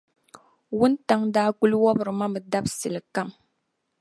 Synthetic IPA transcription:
wu˦nta˦ŋdaː˦ku˦lwɔ˦bɨ˨ɾma˦mɨ˨da˦bsɨ˨lka˦m

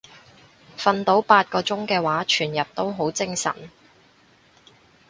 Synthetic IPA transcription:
fɐ˧nt̪o˨˥wpaː˧t̚kɔː˧t͡sʊ˥ŋkɛː˧waː˨˥t͡ʃʰyː˨˩njɐ˨p̚t̪o˥wɦo˨˥wt͡sɪ˥ŋsɐ̰˨˩n

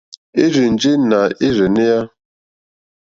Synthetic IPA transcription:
e˦ɾi˨n̩˨d͡ʒe˦na˨e˦ɾe˨ne˦ja˦

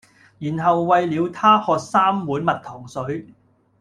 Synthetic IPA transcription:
jiː˨˩nɦɐ˨wːɐ˨jliː˨˧wt̪ʰaː˥hɔː˧k̚saː˥mwuː˨˥nmɐ˨t̚t̪ʰɔː˨˩ŋsɵ˨˥ɥ

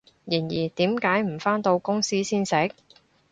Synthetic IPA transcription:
jiː˨˩njiː˨˩t̪iː˨˥mkaː˨˥jm̩˨˩faː˥nt̪o˧wkʊ˥ŋsiː˥siː˥nsɪ˨˥k̚

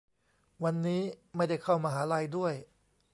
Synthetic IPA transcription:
wa˧nːiː˦˥ma˥˩jda˥˩jkʰa˥˩wmaː˧ɦaː˩˦˥ɾa˧jdu˥˩əj

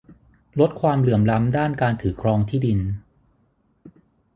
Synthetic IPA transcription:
lo˦˥t̪̚kʰwaː˧mlɯ˨˩˦əmla˦˥mdaː˥˩nkaː˧nt̪ʰɯː˩˦kʰɾɔː˧ŋt̪ʰiː˥˩di˧n

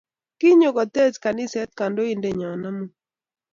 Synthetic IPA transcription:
kɪ˦ɲo˨ɡɔ˨t̪e˦ska˨nɪ˦sɛ˦t̪̚ka˨ndo˦i˦nde˨ɲɔ˨na˦mu˦

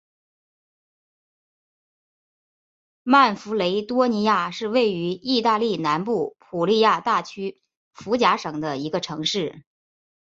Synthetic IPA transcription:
ma˥˩nfu˧˥le˧˥ɪt̪wɔ˥ni˧˥ja˥˧ʂɻ̩˥˧we˥˩ɪy˧˥i˥˧t̪a˥˧li˥˩na˧˥npu˥˩pʰu˨˩li˥˧ja˥˧t̪a˥˩t͡ɕʰy˥ | fu˧˥t͡ɕja˧˥ʂɤ˨˩ŋd̪ə˦i˧˥ɡə˧ʈ͡ʂʰɤ˧˥ŋʂɻ̩˥˩

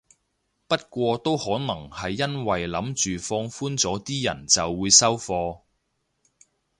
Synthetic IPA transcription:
pɐ˥t̚kʷɔː˧t̪o˥whɔː˨˥nɐ˨˩ŋhɐ˨jːɐ˥nwɐ˨˩jlɐ˨˥mt͡ʃyː˨fɔː˧ŋfuː˥nt͡sɔː˨˥t̪iː˥jɐ̰˨˩nt͡sɐ˨wːuː˨˧jsɐ˥wfɔː˧

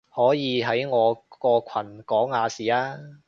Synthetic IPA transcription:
hɔː˨˥jiː˨˧ɦɐ˨˥jŋɔː˨˧kɔː˧kʰɐ˨˩nkɔː˨˥ŋaː˨˧siː˨aː˥

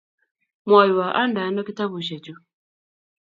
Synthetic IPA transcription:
mɔ˨jwa˨ʔa˦nda˨˦nɔ˦ki˦ta˦βu˨ʃ̬ɛ˨t͡ʃu˦

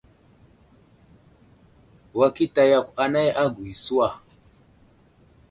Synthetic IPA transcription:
wa˦ki˦ta˨ja˨kʷa˨na˦ja˦ɡwi˨su˦wa˨

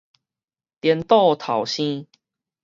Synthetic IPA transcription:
t̪jɛ˨˦nt̪o˥˧t̪ʰɑ˨˩ʊɕĩ˦

